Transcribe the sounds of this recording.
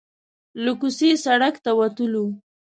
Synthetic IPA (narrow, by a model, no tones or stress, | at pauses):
lʊkusesaɽakt̪awat̪ulu